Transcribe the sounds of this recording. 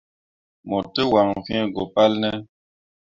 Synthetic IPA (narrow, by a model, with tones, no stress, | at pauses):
mɔ˨tə˦wa˨ŋvi˦ɛ˦˨ɡɔ˨pa˦lnə˦